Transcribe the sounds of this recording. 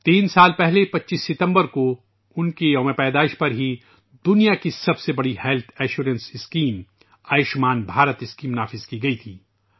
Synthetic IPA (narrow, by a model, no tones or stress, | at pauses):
t̪iːnsaːlpɛɦlepɐtːʃiːsːɪt̪ə̃mbəɾko | ʊnkejɔːmepɛːd̪aːɪʃpɐɾɦi | d̪ʊnijakisɐbsebɐɽihɛlt̪ʰɛːʃuːɾə̃nsɪskiːm | aːjɪʃmaːnbʱaːɾət̪ɪskiːmnaːfɪzkiɡɐit̪ʰiː